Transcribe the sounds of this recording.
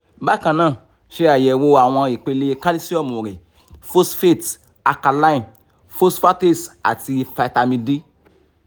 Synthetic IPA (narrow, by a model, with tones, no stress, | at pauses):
ba˦kã˧nãː˦˨ | ʃe˧a˨jɛ˨wo˧a˨w̃ɔ̃˧i˨k͡pe˧le˧ka˦li˦si˦ɔ˦˨mu˨ɾe˨ | fo˦sfe˦˨t | a˧ka˧la˦i˦˨n | fo˦sfa˦te˦˨sa̰˨ti˧fa˧ta˧mĩ˧di˦